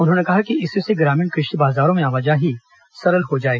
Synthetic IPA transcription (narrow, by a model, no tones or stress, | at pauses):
ʊnɦõːnekɐɦakiɪseseɡɾaːmɪ̃ɳkɾɪʃʈibaːzaːɾõmẽaːʋɐd͡ʒaɦi | sɐɾəlɦod͡ʒaːeːɡa